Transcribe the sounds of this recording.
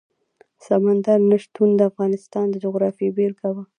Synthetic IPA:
samand̪aɾnaʃt̪und̪əafɣɑnɪst̪ɑnd̪əd͡ʒʊɣɾɑfibelkawə

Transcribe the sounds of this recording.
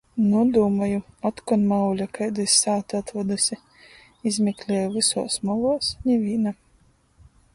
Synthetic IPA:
nuɔd̪uːmajuɔt̪kɔnmawlʲakajd̪ɨsʲsaːt̪at̪ɾɔd̪ɨsʲi | izmʲɛklʲɛːjuvɨsɔ̰ːsmɔlˠɔːsɲʲɛvʲiːna

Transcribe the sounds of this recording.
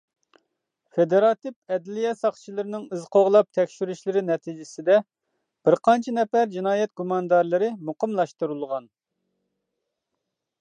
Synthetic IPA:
fed̪eɾɑt̪ɨp̚ɛd̪lijɛsɑχt͡ʃʰilˠɨɾɪnɪŋɨzqʰoʁlˠɑp̚t̪ʰɛkʲʃyɾyʃlɪɾɪnɛt̪ʰid͡ʒɪsɪd̪ɛ | b̥ɪɾqʰɑnt͡ʃʰinɛfæɾd͡ʒinɑːjɛt̪̚ɡumɑnɨd̪ɑɾlˠɨɾɨmuqəmlˠɑʃt̪uɾulˠʁɑn

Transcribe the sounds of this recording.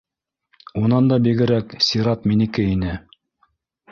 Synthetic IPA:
unɑnd̪ɑbiɡɘ̆ɾæksʲiɾɑt̪minɘ̆kɘinɘ

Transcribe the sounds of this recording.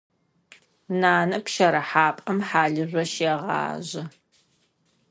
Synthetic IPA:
naːnɐpʃɐɾɐħaːpʼɐmħaːɮɨʑʷɔʃeːʁɑ̰ːʑɪ

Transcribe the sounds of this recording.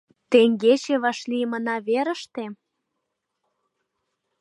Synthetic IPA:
t̪eŋɡet͡ɕeβɑʃlimənɑβeɾə̆ʃt̪e

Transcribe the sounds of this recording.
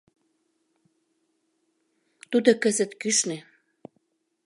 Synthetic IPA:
t̪ud̪okəzə̆t̪kyʃne

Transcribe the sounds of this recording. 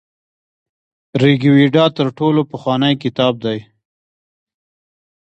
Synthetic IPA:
ɾiɡwiɖɑt̪əɾʈolopəxwɑnajkɪt̪ɑb̚d̪aj

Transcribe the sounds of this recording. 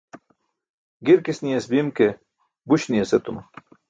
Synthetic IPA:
ɡiɾkisnijesbimke | buɕnieset̪umɐ

